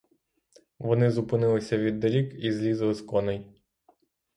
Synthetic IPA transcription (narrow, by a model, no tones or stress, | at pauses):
ʋɔnɪzʊpɪnɪlˠɪsʲɐʋʲid̪ːɐɾʲikizlʲizlˠɪskɔnɛj